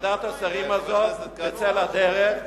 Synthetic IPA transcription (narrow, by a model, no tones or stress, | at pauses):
d̪at̪asaʁimazot̪et͡selad̪eʁeχ